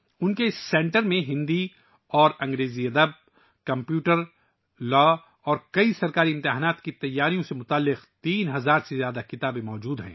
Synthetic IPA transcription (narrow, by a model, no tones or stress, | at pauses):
ʊnkesːɛ̃ːɳʈəɾmẽɦɪ̃nd̪i | ɔːɾɐ̃ŋɡɾeːziɐd̪əb̚ | kɐ̃mpjuːʈəɾ | lɔː | ɔːɾkɐisɐɾkaːɾiɪ̃mt̪ɪɦaːnaːt̪kit̪ɐjːaːɾijõsemʊt̪aːlːɪqt̪iːnɦɐzaːɾsezjaːd̪akɪt̪aːbẽmɔːd͡ʒuːd̪ɦɛ̰̃ː